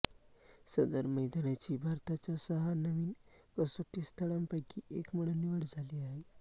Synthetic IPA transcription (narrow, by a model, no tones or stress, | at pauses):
sənd̪əɾməjd̪anjat͡ɕiːbʱaɾt̪at͡ɕjasəɦanəʋiːnəsəʈ̪ːist̪ʰəɭampajkiʔekməɽənːiʋəɽd͡zʱaliːaɦe